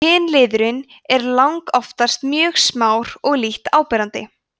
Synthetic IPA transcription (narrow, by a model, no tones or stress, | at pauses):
ɪːnlɪːðʏɾɪn | ɛɾlawŋkɔft̪ḁst̪mjœːɣsmaːwɾɔɣliht̪aːwpɛɾant̪ɪ̰